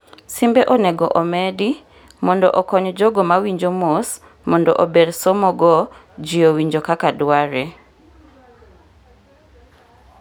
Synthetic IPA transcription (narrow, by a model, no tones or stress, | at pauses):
simbeʔɔnɛɡɔʔɔmɛdi | mɔndɔ̰ʔɔkɔɲd͡ʒoɡɔmawiɲd͡ʒomos | mɔndɔ̰ʔobedsomɔɡɔ | d͡ʒiowiɲd͡ʒokakadwaɾe